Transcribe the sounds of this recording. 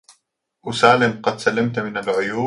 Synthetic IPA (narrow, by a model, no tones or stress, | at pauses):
ʔʊsaːlɪmqɑd̪salːamt̪mɪnalʕʊjuː